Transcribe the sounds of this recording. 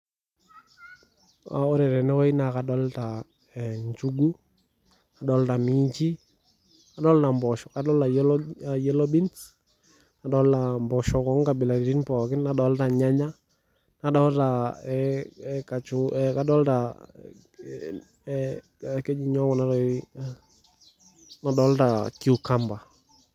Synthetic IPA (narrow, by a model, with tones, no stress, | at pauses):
a˨ɔ˦ɾɛ˨ɾɛ˨nɛ˦kɔ˦i˦na˨ka˨dɔ˦lta˨ | ɛ˨ɲt͡ʃu˦ɡu˦ | a˨dɔ˦lta˨mi˦t͡ʃi˦ | ka˨˦dɔ˦lta˨mbɔ˨ʃɔ˨ka˨dɔ˦lta˨jljɛ˦lɔ˦bi˦nt | na˨dɔ˦lta˨mbɔ˨ʃɔ˨kɔ˨˦ŋka˨bɪ˨la˨ɾi˨ɾi˦npɔ˨kɪ˦nːa˨ɗɔ˦lta˨ɲa˦ɲa˦ | na˨dɔ˦lta˨ɛ˨ka˨t͡ʃʊ˦ɛka˦dɔ˦lta˨ | kɛ˦ɲi˨ɲɔ˦kɔ˨na˦tɔ˨ | na˨dɔ˦lta˨ku˨ka˦mba˨